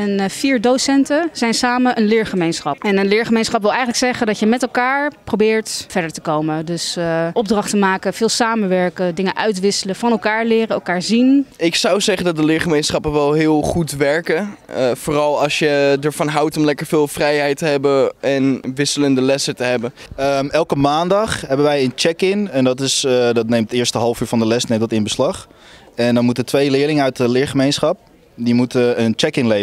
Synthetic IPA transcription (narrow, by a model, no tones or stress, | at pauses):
ɛnfiːɹdosɛntəz̥ɛjnsaːməʔənlɪːɹχəmejnsχɑpɛnənlɪːɹχəmejnsχɑpʋɪlˠɛjχələksɛχəndɑtjəmɛtɛlˠkaːɹprowbɪːɹtv̥ɛɹdəɹtəkowmədɵsʔɔb̚drɑχtəmaːkəv̥ɪːlˠsaːmənʋɛɹkədɪŋəʔœɥtʋɪsələv̥ɑnɛlˠkaːɹlɪːrəɛlˠkaːɹzinɪksɑwzɛχəndɑt̚dəlɪːɹχəmejnsχɑpənʋɛlˠɦɪːlˠχutʋɛɹkəfoːrɑlˠɑsjədəɹvɑnɦawtɔmlɛkəɹvɪːlˠfrɛjɦɛjtəɦɛbəɛnʋɪsələndəlɛsətəɦɛbən | əmɛlˠkəmaːndɑχɦɛbənʋɛjənt͡ʃɛkɪnɛndɑtɪsdɑtnejmtɪːəɹstəɦɑlˠfyːɹfɑndəlɛstnejmdɔtɪnbəslɑχɛndɔnmutətʋejlɪːɹlɪŋəœɥt̚dəlɪːɹχəmejnsχɑp̚ | dimutəənt͡ʃɛkɪŋle